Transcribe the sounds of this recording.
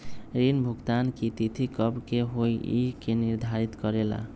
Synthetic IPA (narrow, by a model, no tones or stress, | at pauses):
ɾinbʱuɡt̪ankit̪it̪ʰikʌbkeɦojikeniɾd̪ʱaɾit̪kʌɾela̰